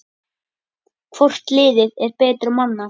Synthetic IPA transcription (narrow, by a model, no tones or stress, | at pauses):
kʰvɔr̥t̪lɪːðɪðɛɾpɛːt̪ɾʏmanːa